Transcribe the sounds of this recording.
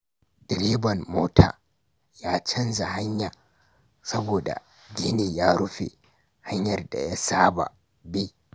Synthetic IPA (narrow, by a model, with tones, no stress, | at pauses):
d̥ɪ˨ɾi˦bɐ˨nmoː˦tʰa̰ː˨ | jaː˦t͡ʃɐ˦nza˨ha˦ɲja˨ | sɐ˦boː˨da̰˨ | ɡʲi˦ni˨jaː˦ɽʊ˦ɸḛ˨ | ha˦ɲjɐ˨rda̰˨ja˦saː˦ba̰˨ | bi˦